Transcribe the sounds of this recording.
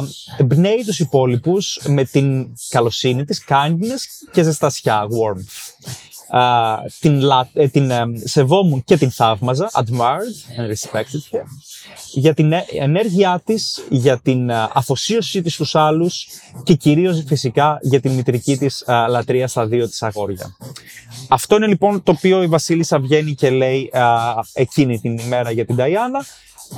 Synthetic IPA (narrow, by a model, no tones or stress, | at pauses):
embne̞it̪usipo̞lipusme̞t̪inkɐlo̞sinit̪iskɐɲɟine̞sce̞sest̪ɐsçɐɣwoɾm | t̪inlɐt̪inse̞vo̞munce̞t̪inθɐvmɐzɐʔɐd̪maɾd̪enɾispekt̪it̪e | ʝɐt̪inḛne̞ɾʝiɐt̪isʝɐt̪inɐfo̞sio̞sit̪ist̪usɐlusce̞ciɾio̞zifisikɐʝɐt̪inmit̪ɾicit̪islɐt̪ɾiɐst̪ɐðio̞t̪i̥sɐɣo̞ɾʝɐ̰ | ɐft̪o̞ine̞lipo̞nt̪oːpio̞ivɐsilisɐvʝe̞nice̞le̞i | e̞cinit̪inime̞ɾɐʝɐt̪ind̪ɐiɐnɐ